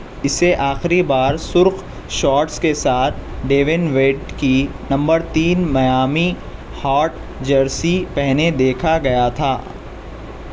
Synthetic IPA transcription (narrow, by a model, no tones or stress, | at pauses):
ɪseʔaːxɪɾibaːɾsʊɾq | ʃɔːɾʈskesaːt̪̚ʰɖeːʋɪnʋeːɖkinɐ̃mbəɾt̪iːnmɐjaːmi | haːɾʈ̚ | d͡ʒɐɾsipɛɦned̪eːkʰaɡɐjat̪ʰaː